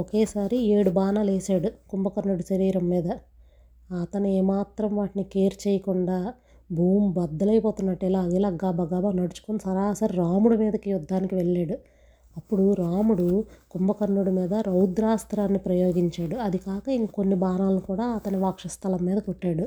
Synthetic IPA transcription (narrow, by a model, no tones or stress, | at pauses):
ɔkeːsaːɾieːɽubaːnaːleːsaːɽukumbɐkɐnːuɽuʃɐɾiːɾɐmːiːd̪ɐ | ɐt̪ɐnuɛːmaːt̪ɾɐmʋaːʈinikeːɾt͡ʃɛːjɐkuɳɖaː | bʱuːmbɐd̪ːɐlɐjpoːt̪unːɐʈːɛlaːɡ̪iːlaːɡaːbɐɡaːbaːnɐɽut͡ʃu̥konsɐɾaːsɐɾiɾaːmuɽumiːd̪ɐkijud̪ʱːaːnikiʋeɭːeːɽu | ɐpːuɽuɾaːmuɽukumbɐkɐnːuɽumiːd̪ɐɾɐwd̪ɾaːst̪ɾaːnːipɾɐjoːɡiɲt͡ʃaːɽuɐd̪ikaːkɐiŋkonːibaːnaːlɐnikuːɽaːɐt̪ɐnuʋaːkʂɐst̪ʰɐlɐmːiːd̪ɐkoʈːaːɽu